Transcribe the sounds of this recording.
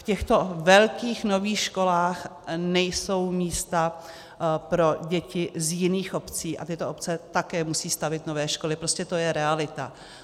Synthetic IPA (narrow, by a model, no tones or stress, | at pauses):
fcɛxt̪o̞vɛlkiːxno̞viːxʃko̞laːxnɛjso̞wmiːst̪a | pɾo̞ɟɛcɪzjɪniːxʔo̞pt͡siːʔa̰t̪ɪt̪oop̚t͡sɛt̪akɛːmusiːst̪avɪt̪no̞vɛːʃko̞lɪpɾoscɛt̪o̞jɛɾɛalɪt̪a̰